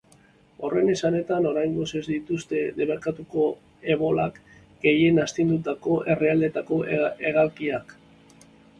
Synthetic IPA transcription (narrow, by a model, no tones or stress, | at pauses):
o̞re̞ne̞sane̞t̪ano̞ɾajŋɡo̞se̞zd̪it̪ust̪e̞de̞βeɾkat̪uko̞ | e̞βo̞lak | ɡ̥e̞je̞nast̪ind̪ut̪ako̞ʔe̞reald̪e̞t̪ako̞ʔe̞ɣ̞alkiak